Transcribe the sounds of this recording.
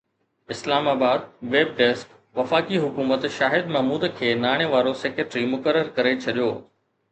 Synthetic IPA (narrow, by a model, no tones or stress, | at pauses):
ɪslaːmaːbaːd̪ʋeːb̚ɖeːsk | ʋɐfaːkiɦʊkuːmət̪ʃaːɦɪd̪mɐɦmuːd̪kʰeːnaːɽ̃eʋaːɾoseːkeʈɾimʊkəɾːəɾkɐɾet͡ɕʰɐɗijoː